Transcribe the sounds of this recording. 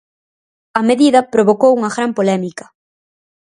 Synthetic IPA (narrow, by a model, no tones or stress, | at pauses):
ɐmeðiðɐpɾoβokowuŋɐɣɾampolɛmikɐ̥